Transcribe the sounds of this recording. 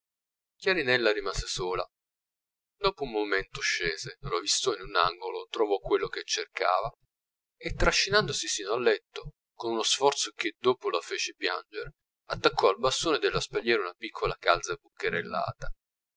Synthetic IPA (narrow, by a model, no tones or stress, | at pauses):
kjaɾinɛlːaɾimaːzesoːla̰ | d̪oːpoummoment̪oʃːeːzelavist̪ɔinunaŋɡolot̪ɾovɔkːwelːoket͡ʃːerka̰ːva | et̪ːɾaʃːinand̪osisiːnoalːɛt̪ːo | konunosfɔrt̪sok̟ed̪oːpolafeːt͡ʃepja̰nd͡ʒeɾe | at̪ːakʰːɔalbast̪oːned̪elːaspaʎːɛːɾunapikʰːolakalt̪sabukːeɾelːa̰ːt̪a